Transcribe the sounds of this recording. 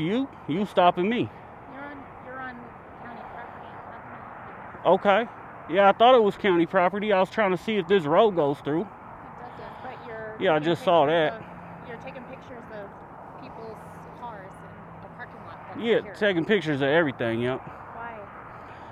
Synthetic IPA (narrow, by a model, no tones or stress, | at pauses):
jɨ | jɨstɑpɨ̃ŋmi | jə̃n | jə˞ə̃n | kʰãʊ̃ntipʰɹ̥ɑpə˞ɾi | ʔoʊkʰeɪ | jæaɪθɔɾət̚wʌz̥kʰãʊ̃ɾ̃ipʰɹ̥ɑpə˞ɾiaɪwʌz̥tʰɹ̥aɪɪ̃ŋtʰɨsiɨfðɪs̬ɹoʊlˠɡoʊz̥θɹʉ | d̥ʌzɪt̚b̥ʌə˞jæaɪd͡ʒʌstsɔðæt̚ | jə˞tʰeɪkɪ̃ŋpɪk̚t͡ʃə˞zʌv̥ | pʰipl̩ˠz̥ | kʰɑɹz̥ɨ̃n | pʰɑk | jætʰeɪkɪ̃ŋpɪk̚t͡ʃə˞zʌvɛvɹiθɪ̃ŋjɛ | waɪ